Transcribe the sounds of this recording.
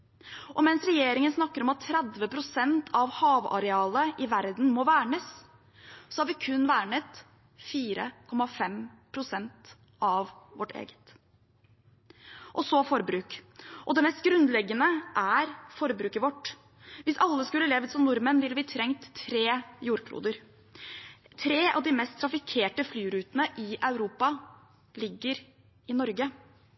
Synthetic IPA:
ʔɔmɛnsɾɛjeːɾɪŋənsnɑkːəɾɔmɑt̪ʰːɾɛd̪ʋəpʰɾʊsɛnt̪ʰɑʋhɑːʋɑ̰ɾɛɑːləʔɪʋæɾd̪n̩mɔʋæːɳəs | sɔhɑɾʋɪkʰʉnːʋæːɳət̪ | fiːɾə̰kʰɔmːɑfɛmpʰɾʊsɛnt̪ | ʔɑʋʋɔʈʰːḛːɡə̥t̪ | ʔɔsɔfɔɾbɾʉːkʔɔd̪ɛmɛst̪̚ɡɾʉnd̪lɛɡːənəʔæɾfɔɾbɾʉːkəʋɔʈː | ʋɪsɑlːəskʉlːəleːʋət̪sɔmnʊɾmənʋɪlbɪːt̪ʰɾɛŋt̪ʰɾeːjuːɾkʰlṵːd̪əɾ | t̪ʰɾeːʔɑ̰ʋd̪ɪmɛst̪ʰːɾɑfɪkʰeːʈəflyːɾʉːt̪ənəʔɪʔɑʉɾuːpɑ | lɪɡːəɾ | ɪnɔɾɡə

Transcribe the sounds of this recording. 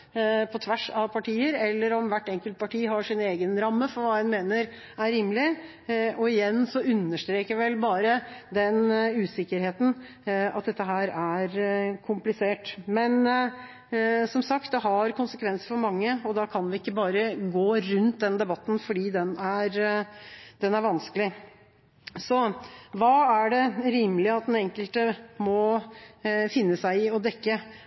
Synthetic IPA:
pʰɔt̪ʰʋæʂɑʋpʰɑʈiːəɾɛlːəɾɔmʋæʈːɛŋkəlt̪̚pʰɑʈiːɦɑʂɪneːɡənɾɑmːəfɔɾʋɑːdɛnmeːnəɾ | æɾimːlɪ | ɔɪjɛnːsɔʉnːəʂʈt̪ɾeːkəʋɪʋɛlbɑːɾəd̪ɛnʉːsɪkːəɾheːt̪n̩ | ɑ̰t̪̚d̪ɛt̪ːəɦæːɾæɾkʰʊmplɪseːʈmɛn | sɔmsɑkt̪̚d̪ɛɦɑɾkʰʊnsəkʰʋɛnsəfɔɾmɑŋːəɔd̪ɑkʰɑnʋɪɪkːəbɑːɾəɡoːɾʉnt̪̚d̪ɛnd̪ɛbɑt̪ːn̩fɔɖiːd̪ɛnæɾ | d̪̥ɛnæɾʋɑnskəlɪ | sɔʋɑːæɖɛɾiːməlɪəɑt̪̚d̪ɛnɛŋkəlt̪əmɔ | fɪnːəsæɪɪɔd̪ɛkːə

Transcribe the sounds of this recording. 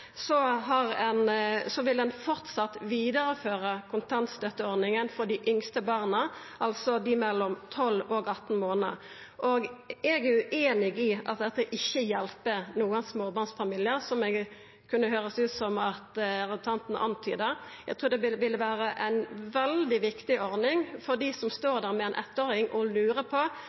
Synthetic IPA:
sɔɦɑʁɛnsɔʋɪld̪ɛnfɔʁt̪sɑt̪ːʋiːd̪əʁəføːɾəkʰʊnt̪ʰɑnt̪st̪œt̪ːəɔʁd̪nɪŋənfɔd̪ɪʔʏŋst̪əbɑːʁnə | ʔɑlsɔd̪ɪmɛlːɔmt̪ʰɔlːɔɡɑt̪ːn̩moːnəə | ʔoːɡɛɡæʉʔeːnɪɡɪʔɑ̰t̪̚d̪ɛt̪ːəʔɪçːəjɛlpənuːənsmoːbɑʁnsfɑmiːlɪəʁsɔmɛɡ | kʰʉnːəhøːɾəsʉːt̪sɔmɑt̪ɾət̪ʰɑnt̪n̩ʔɑ̰nt̪ʰy̰ːd̪əjɛɡt̪ʰɾuːʁd̪ɛɪʋɪlʋæːɾəʔæɪnʋɛld̪ɪʋɪkt̪ɪʔɔɾnɪŋfɔʁd̪iːsɔmst̪oːʁd̪æːʁmɛɛnʔɛ̰t̪ːoːɾɪŋʔɔlʉːɾəpʰɔ

